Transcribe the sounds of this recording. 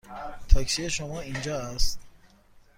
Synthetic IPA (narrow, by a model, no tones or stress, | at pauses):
t̪ʰɔksieʃomɔind͡ʒɔast̪